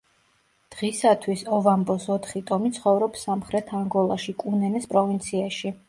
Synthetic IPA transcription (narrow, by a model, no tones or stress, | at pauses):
d̪̥ʁisat̪ʰwisɔvambɔsɔt̪ʰχit̪ʼɔmit̪sʰχɔvɾɔpsamχɾɛt̪ʰaŋɡɔlˠaʃikʼunɛnɛspʼɾɔvint̪sʰiaʃi